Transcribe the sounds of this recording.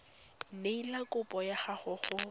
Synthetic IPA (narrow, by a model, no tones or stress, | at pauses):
neilakʼʊpʼɔjaχaχʊχʊ